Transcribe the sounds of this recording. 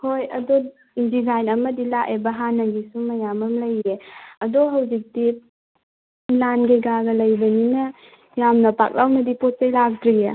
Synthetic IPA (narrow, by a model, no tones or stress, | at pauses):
hojɐ̰do | indizajnɐmɐdilakʔebɐɦanɐɡisumɐjamɐmlɐjɾeɐdoɦɐwzik̚di | lanɡeɡaɡɐlɐjbɐninɐ | jamnɐpa̰k̚lawmɐdipot̚t͡ʃajlak̚dɾija